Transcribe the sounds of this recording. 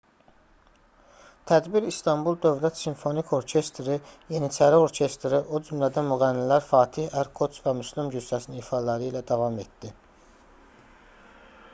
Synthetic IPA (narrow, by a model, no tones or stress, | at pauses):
t̪ʰæd̪biɾist̪ʰɑmbulˠd̪ø̞vlæt̪siɱfo̞nikʰo̞ɾcʰe̞st̪ɾije̞nit͡ʃʰæɾio̞ɾcʰe̞st̪ɾiʔo̞d͡ʒymlæd̪æmyɣælːilæɾfɑːt̪ʰihæɾkʰo̞t͡ʃvæmyslimɟyz̥sæsininifɑlæɾiːlæd̪ɑvɑme̞t̪d̪̥i